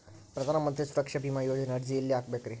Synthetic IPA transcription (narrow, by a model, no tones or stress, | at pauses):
pɾɐd̪ʱanamənt̪ɾisuɾəkʂɐbimajod͡ʑənɐɽd͡ʑieljaaːk̚bekɾi